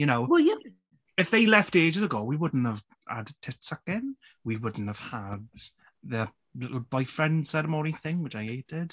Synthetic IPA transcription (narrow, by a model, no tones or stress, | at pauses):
jənoʊwɛjə | ɪfðeɪlɛfteːd͡ʒəzəɡoːwiwʊdⁿn̩təv̥ | ha̰dtʰɪtsəkɪ̃n | wiwʊdⁿn̩təv̥had | ðə | lɪb̥aɪfɹɛ̃nd̥sɛɾəmɔniθɪ̃ŋwɪt͡ʃaɪeɪtʰɪd̥